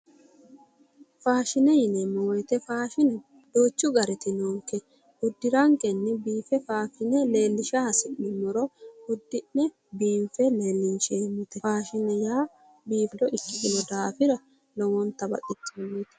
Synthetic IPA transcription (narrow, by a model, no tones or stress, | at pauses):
faːʃɪnɛjɪnɛmɔwjt̪ɛfaːʃɪnɛ | d̪̥oːt͡ʃːʊɡɐɾɛt̪ɪnoːŋkːɛ | ʊd̪ːɪɾɐŋkɛnːɛbiːfɛfaːfɪnɛle̞ːlːɪʃasɪnːɪmɔɾɔʊd̪ːɪnːɛ | biːmfɛle̞ːlːɪnʃɛɪmːɪt̪ɛfaːʃɪnɛjaː | biːflɔʔɪkːɪd̪ɪnɔd̪aːfɪɾɐ | lɔwɔnt̪ːɐbɐ̰tʼːɪt̪ːɪmːit̪ɛ̥